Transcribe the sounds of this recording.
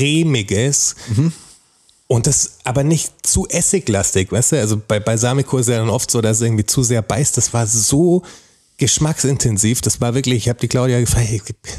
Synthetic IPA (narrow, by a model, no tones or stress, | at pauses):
ʁeːmɪɡəs | ʔʊnt̚d̥asʔaːbɐnɪçtt͡suːʔɛsɪçlastɪçvaɪstuʔalzob̥aɪbaɪzaːmɪkʰoːɪstjaːdanʔɔftz̥oːɾassʔɪɐŋ̩tv̥iːt͡suːzeːɐbaɪstd̥asv̥aːɐzoː | ɡ̥əʃmaksɪntʰɛnziːfd̥asv̥aːɐvɪɐklɪçɪçhaːb̚d̥iːkʰl̥aʊɾjaːɡəfʁ̥aɡ